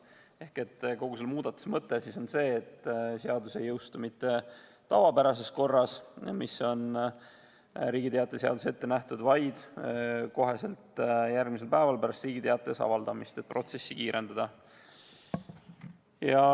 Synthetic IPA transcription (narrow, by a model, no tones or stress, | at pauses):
e̞hke̞t̪ːˑko̞ɡ̥uselmuːd̪̥ɑt̪ːˑu̥smɤt̪ːˑesiso̞nse̞ːt̪ːseɑd̪use̞jːɤwst̪umit̪ːe̞ | t̪ɑvɑpæɾɑse̞sko̞rːɑsmiso̞n | ɾiːɡ̥it̪eɑt̪ːˑese̞ɑ̰d̪use̞t̪ːe̞næht̪ud̪̥vɑjd̪̥ko̞ɦe̞se̞lt̪jærɡmise̞lpæevɑlpæɾɑst̪riːɡ̥it̪eɑt̪ːˑesɑ̰vɑld̪̥ɑmist̪e̞t̪̚pro̞t̪se̞sːikiːɾe̞nd̪ɑd̪ɑ | jɑ